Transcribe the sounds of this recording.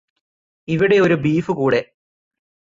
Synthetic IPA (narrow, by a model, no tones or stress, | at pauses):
iʋiɽe̞o̞ɾubiːfɨkuːɽe̞